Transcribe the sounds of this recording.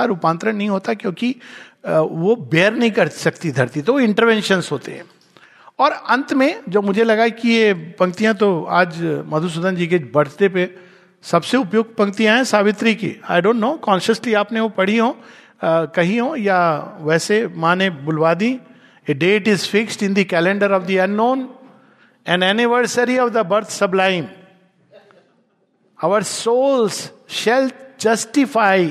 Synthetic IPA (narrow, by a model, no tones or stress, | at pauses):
aɾʊpãːnt̪ɾənɐɦĩɦoːt̪akjõːki | ʋobeːɾnɐɦĩkɐɾsɐk̚t̪id̪ʱɐɾt̪it̪oʋoɪ̃ɳʈəɾʋɛ̃ːnʃənzɦoːt̪ḛɦɛ̰̃ː | ɔːɾɐ̃nt̪mẽd͡ʒɐbmʊd͡ʒʱelɐɡaikijepɐ̃ŋɡ̚t̪ijãt̪oa̰ːd͡ʒmɐd̪ʱus̬ʊd̪ənd͡ʒiːked͡ʒbɐɽ̤t̪epe | sɐbseʊpjʊɡ̚t̪pɐ̃ŋɡt̪ijãɛ̃saːʋɪt̪ɾikḭa̰ːɪɖõːnʈnoːkɔ̃ːnʃəsliaːpneʋopɐɽ̤iɦõː | kɐɦijõjaʋɛːsemãːnẽbʊlʋaːd̪ĩ | eɖeːʈɪzfɪksʈɪ̃nd̪ikɛlẽɳɖəɾɔʋd̪iɐ̃nːõːn | ɛ̃nɛnɪʋəɾsəɾiɔʋd̪əbɐɾt̪ʰsɐblaːɪ̃m | aʋəɾsoːlzʃɛld͡ʒɐsʈɪfaːɪ